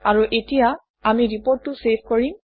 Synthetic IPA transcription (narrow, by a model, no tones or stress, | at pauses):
aɹuʔetija | amiɹipoɹtːusepʰkoɹim